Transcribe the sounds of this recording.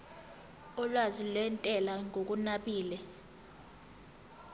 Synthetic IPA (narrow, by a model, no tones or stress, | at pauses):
ɔlwazilwɛntʼɛlaŋʱok̬unaɓiːlɛ